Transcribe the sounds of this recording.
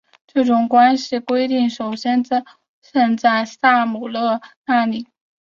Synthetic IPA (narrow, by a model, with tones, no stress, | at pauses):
ʈ͡ʂɤ˥˩ʈ͡ʂʊ˨˩ŋkwa˥nɕi˥˩kwe˥ɪt̪i˥˩ŋʂo˨˩ʊɕjɛ˥n˥˧ | ʂə˥˧nt͡sa˥˧ɪsa˥˩mu˨˩lɤ˥˧na˥˩li˨˩˦